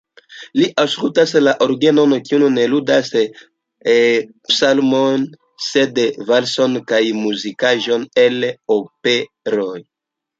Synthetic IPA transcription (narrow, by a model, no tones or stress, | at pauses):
liʔaskut̪aselaʔoɾɡenonokiununelud̪ase | e | psalmon | sed̪evalsonkajmuzikaʒɔneleope | ɾoj